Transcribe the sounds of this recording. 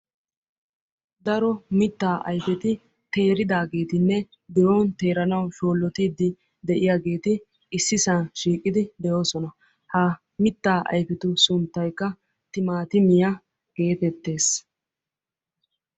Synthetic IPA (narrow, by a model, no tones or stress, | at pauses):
d̪ɐɾɔmɪt̪ːaːʔɐ̰jfɛt̪ɪ | t̪e̞ːɾɪd̪aːɡe̞ːt̪ɪnːɛ | d̪ɛjoːnt̪e̞ːɾɐnɐwʃo̞ːlːɔt̪iːd̪ɪ | d̪ɛʔɪjaːɡe̞ːt̪ɪː | sːɪsɐnʃiːkʼːɪd̪ɪd̪ɛjo̞ːsɔnɐ | hɐ | mɪt̪ːaːʔɐ̰jfɪt̪ʊsʊnt̪ːɐjkːɐ | t̪ɪmaːt̪ɪmɪja | ɡ̥e̞ːfɛt̪ːe̞ːs